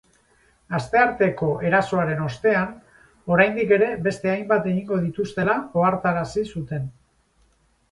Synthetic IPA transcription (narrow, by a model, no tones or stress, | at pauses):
ast̪e̞aɾt̪e̞ko̞ʔe̞ɾaso̞aɾe̞no̞st̪e̞an | o̞ɾajnd̪ike̞ɾe̞be̞st̪e̞ajmbat̪e̞ɣ̞iŋɡo̞ð̞it̪ust̪e̞lao̞aɾt̪aɾasisut̪e̞n